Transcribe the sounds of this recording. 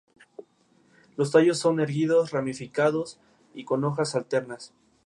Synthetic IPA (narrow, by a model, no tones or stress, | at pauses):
lo̞s̬t̪aʝo̞sːo̞ne̞ɾɣiðo̞sramifikaðo̞s | iko̞no̞xasalt̪e̞ɾnas